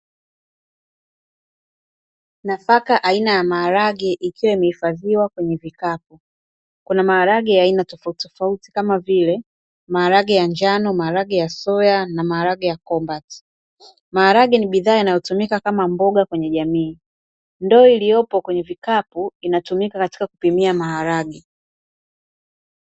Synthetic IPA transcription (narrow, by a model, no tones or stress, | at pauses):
nafakaʔainajamaːɾaɡɛʔikiwɛimɛhifaðiwakwɛɲɛvikap̚u | kunamaːɾaɡɛjaːinatɔfautɔfauti̥kamavilɛ | maːɾaɡɛjaɲd͡ʒanɔmaaɾaɡɛjasɔjanamaaɾaɡɛjakɔmbati̥ | mahaɾaɡiniɓiðaːinajɔtumikakamambɔɠakwɛɲɛʄamiː | ndɔːilijɔpɔkwɛɲɛvikapuinatumikakati̥kaku̥pimiamahaɾaɡɛ